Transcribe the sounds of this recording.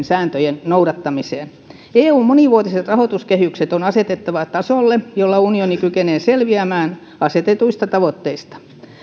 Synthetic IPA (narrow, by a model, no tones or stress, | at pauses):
nsæːnt̪øjennouɾɑt̪ːɑmiseːn | eːuːmmoniʋuot̪iset̪rɑhot̪uskehykset̪onɑset̪et̪ːɑʋɑt̪ɑsolːejolːɑunionikykeneːselʋiæmæːn | ɑset̪et̪uist̪ɑt̪ɑʋot̪ːeist̪ɑ̥